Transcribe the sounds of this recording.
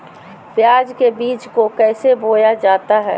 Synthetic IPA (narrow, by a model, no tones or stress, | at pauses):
pjaːd͡ʒkebiːt͡ʃkokɛːseboːjad͡ʒaːt̪aɦɛ̰ː